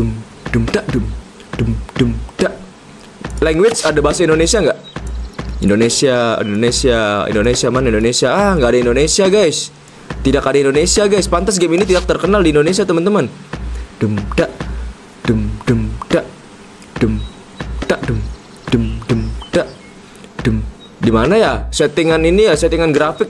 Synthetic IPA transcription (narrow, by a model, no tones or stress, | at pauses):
dəm | d̥əmdaʔdəm | d̥əmd̥əmd̥aʔ | lɛŋɡwɪsadabaɦasaindonesiaŋɡaʔ | indonesiaḭndonesiaḭndonesiamanaindonesiaahŋɡaʔːdaindonesiaɡajs | t̪idakadaindonesiaɡajspant̪as̬ɡeminit̪idak̚t̪ərkənaldindonesiat̪əmənt̪əmənd̥əmd̥aʔ | d̥əmdəmd̥aʔ | d̥əm | d̥aʔdəm | d̥əmdəmd̥aʔ | d̥əm | dimanajasɛt̪iŋaninijasɛt̪iŋanɡɾafɪk̚